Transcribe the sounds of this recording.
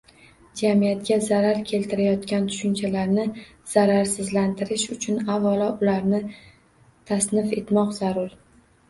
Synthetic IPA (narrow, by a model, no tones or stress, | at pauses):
d͡ʒamijat̪̚ɡʲazaɾaɾkʲʰe̞lt̪ʰɪɾajɒt̪kʲant̪ʰʊ̥ʃʊnt͡ʃʰalaɾnɪ | z̥aɾaɾsɪzlant̪ʰɪɾɪʃʊt͡ʃʰʊnavalɒʊlaɾnɪ | t̪ʰasnɪfe̞t̪mɒqzaɾʊɾ